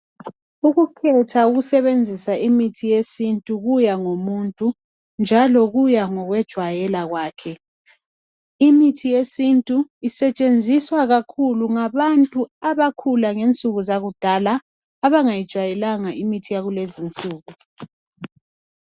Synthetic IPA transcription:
uɣukʰɛtʰauɣusɛβend͡zʱisaimitʰijesintʼuɣujaŋomuntʼu | nd͡ʒʱalɔɣujaŋɔɣwɛd̥ʒ̥ʱwajɛlaɣwaːkʰɛ | imitʰijesintʼuisɛt͡ʃʼend͡zʱiswaɣakʰuluŋaβantʼuaβakʰulaŋent͡sʼuɣuzaɣud̥ʱalaː | βaŋajid̥ʒ̥ʱwajɛlaŋaimitʰijaɣulezint͡sʼuːɣu

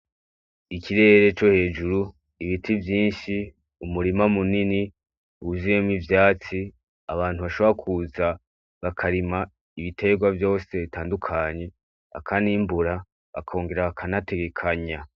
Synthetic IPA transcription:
ikʰiɾe̞ːɾe̞t͡ʃo̞he̞ːd͡ʒuɾu | iβitʰivjiːnʃi | umuɾimamunini | uuzijemwivjaːt͡si | aβaːn̥uβaʃo̞βoɾakʰuza | βakʰaɾima | iβite̞ɡwavjo̞ːse̞βitaːndukʰaːɲe̞ | a̰kʰanimbuɾa | βa̰kʰo̞ːŋɡe̞ɾaβakʰanate̞ɡe̞kʰaɲa

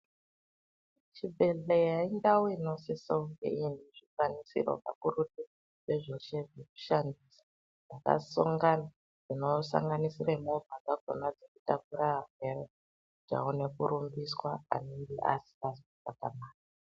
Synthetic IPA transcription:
t͡ʃibʱe̞ɮejaindawino̞sisoŋɡḛiniʐikwanisḭro̰va̰kuruti | ʐeʐeʃeʐeku̥ʃandisḁ | d͡zaka̰so̰ŋɡana | d͡zino̞sa̰ŋɡanisiremovʱakaɡʱo̰nad͡zekutakuɾaɦaɡʱere | d͡ʒa̰one̞kuɾumbiswaa̰noŋɡeʔa̰si̥pazpakamaːka

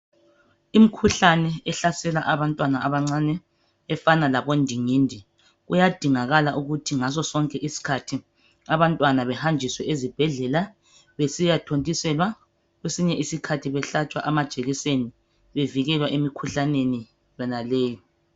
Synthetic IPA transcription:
im̩kʰuɬanɛɛɬasɛlaʔaβantʼwanaaβaŋ͡ǀanɛː | fanalaβondʱiŋiːndʱi | ɣujad̥ʱiŋaɣalaʔuɣutʰiŋazɔsɔŋkʼɛʔisi̥kʰatʰi | aβantʼwanaβɛhand͡ʒʱiswɛʔezib̥ʱɛɮɛla | βesijatʰontʼisɛlwa | ɣwesiɲɛʔisikʰatʰiβɛɬat͡ʃʼwa̰ʔamad̥ʒ̥ʱeɣiseni | βeviɣɛlwaʔemikʰuɬaneni | jɔnaleːjɔ

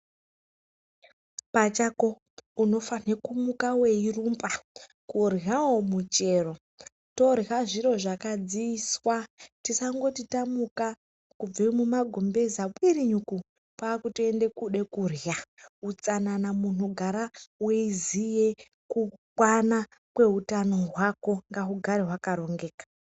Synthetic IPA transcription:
pat͡ʃako̞ | uno̞fanekumukaweirumpa | kurjawomut͡ʃe̞ːro̞ | to̞rjaʐiɾo̞ʐakad͡ziiswatisaŋɡo̞titamuka | kub͡vemumaɡʱombe̞zaɓwiɾiɲuku | pwaːkutie̞nde̞kuɗe̞kurjaut͡sananamun̤uɡʱaɾaweizije̞ | kukwana | kwe̞ɦutano̞ɦwako̞ŋɡaɦuɡʱaɾeɦwakaɾo̞ŋɡe̞ːkḁ

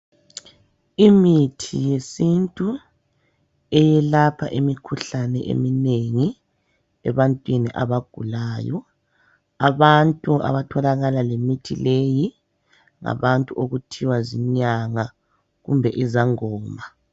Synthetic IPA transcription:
imitʰijesintʼu | ɛjɛlapʰaʔemikʰuɬanɛ̰ʔḛmineŋi | ɛβantʼwiniʔaβaɡ̥ʱulaːjɔ̰ | aβantʼua̰βatʰɔlaɣalalemitʰḭleji | ŋa̰βantʼuʔoɣutʰiwaziɲaŋa | ɣṵmbʱɛʔizaŋɔːma

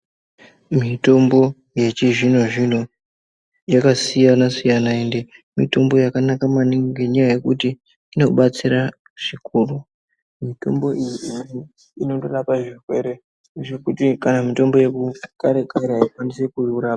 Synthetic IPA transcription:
mito̞mbo̞ | je̞t͡ʃiʐin̤oʐin̤o | jakasijanasijanaende̞mito̞mbo̞jakanakamaniŋɡe̞ɲajaje̞kuti | ino̞ɓat͡siɾa | ʐ̥ikuru | mito̞mbo̞ʔijiii | ino̞toɗapaʐikwe̞̰ɾe̞ | ʐe̞kutikanamito̞mbo̞je̞kukaɾekaɾeaikwanise̞kuuɾaa

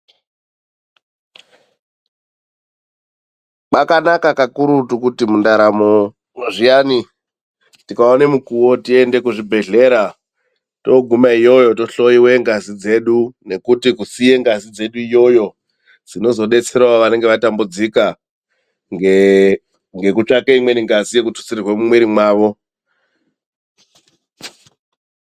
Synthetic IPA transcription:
k͡pakanakakakuɾutukutimundaɾamo | moʐijani | tikaonemukuwo̞tie̞nde̞kuʐibʱe̞ɮe̞ːɾa | to̞ɡʱumaijo̞jo̞to̞ɬo̞iwe̞ŋɡazid͡ze̞ɗune̞kutikusije̞ŋɡazid͡ze̞ɗuijo̞jo̞ | d͡zino̞zo̞ɗe̞t͡se̞ɾawaʋane̞ŋɡe̞ʋatambud͡zika | ŋ | ŋɡe̞kut͡ʂakeimwe̞ɾiŋɡazije̞kutu̥sirirwemumwe̞ɾimwaːʋo̞

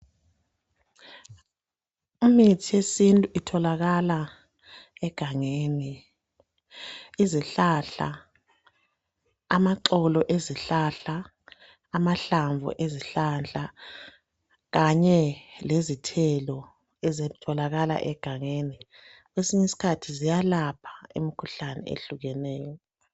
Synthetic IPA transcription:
umitʰijesintʼuitʰɔlaɣala | ɛɡ̥ʱaŋeːni | iziɬaɬa̰ | maǁɔlɔʔeziɬaɬaː | maɬaɱvʱɔ̰ʔeziɬand͡ɮʱʼa | ɣaɲɛlezitʰɛlɔ | ɛzetʰɔlaɣala̰ʔɛɡ̥ʱaŋeni | ɣwesiɲɛsi̥kʰatʰizijalapʰḁimikʰuɬanɛ̰ʔḛɬuɣɛnɛːjɔ

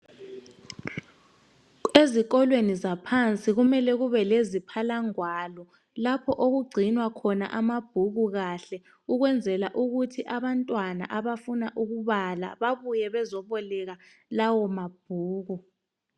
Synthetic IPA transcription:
ezik̬ɔlwenizapʰant͡sʼiɣumɛlɛɣuβɛlezipʰalaŋwalɔ | lapʰɔʔoɣuɡ͡ǀʱinwakʰɔna̰ʔamab̥ʱuɣuɣaɬɛ | uɣwɛnd͡zʱɛlaʔuɣutʰiʔaβantʼwana̰ʔaβafunaʔuɣuβala̰βaβujɛβɛzɔβɔlɛɣa | lawɔmab̥̚ʱuːɣu

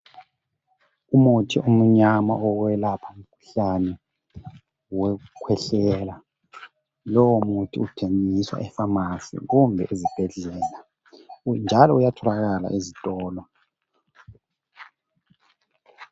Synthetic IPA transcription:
umutʰiʔum̩ɲama̰ʔɔɣwɛlapʰaum̩kʰu̥ɬanɛ | wɛukʰwɛɬɛla | lɔwɔmutʰḭutʰeŋiswa̰ʔɛfamasḭɣumbʱɛ̰ʔezib̥ʱɛɮɛːla | nd͡ʒʱalɔujatʰɔlaɣala̰ʔezitʼɔːlɔ

